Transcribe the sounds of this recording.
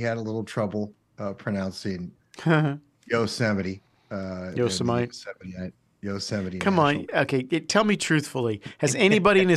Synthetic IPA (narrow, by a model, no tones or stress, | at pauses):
iɨɾəlɪɾl̩ˠtʰɹ̥ʌbl̩ˠ | ʌpʰɹ̥ɨnãʊ̃nsidⁿn̩ | hə | joʊsæmɨɾi | ʌjoʊsəmaɪɛiɪ | joʊsæmɨɾikʰʌ̃mə̃noʊkʰeɪɨtʰɛlˠmitʰɹ̥ʉθfl̩ˠihɨzɛñibɑɾiɨ̃nɨ